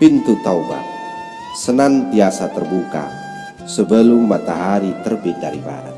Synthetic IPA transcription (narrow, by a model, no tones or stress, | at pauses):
pint̪ut̪awba̰ | sənant̪ijasat̪ərbuka̰ | səbəlumat̪aɦaɾit̪ərbidaɾiba̰ɾə̰